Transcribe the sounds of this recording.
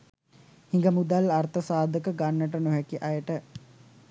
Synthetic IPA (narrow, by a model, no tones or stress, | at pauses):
hiŋɡəmud̪alart̪əsaːd̪əkəɡanːəʈənoɦækiʔɐjəʈə